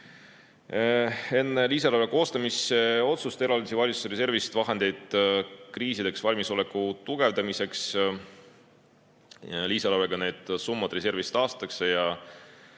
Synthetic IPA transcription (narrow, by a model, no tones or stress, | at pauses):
e̞nːe̞liːs̬ɑlɑveko̞ːst̪ɑmise̞o̞t̪sust̪e̞ɾɑld̪isivɑlʲit̪su̥sɾes̬e̞rvist̪vɑɦe̞nd̪̥e̞jd̪̥kriːsid̪̥e̞ksvɑlʲmiso̞lekːut̪uɡ̥e̞vd̪̥ɑmise̞ks | liːsɑlɑɾeɡ̥ɑne̞ːd̪̥sumːɑd̪̥re̞se̞rvist̪ɑːst̪ɑkse̞jɑ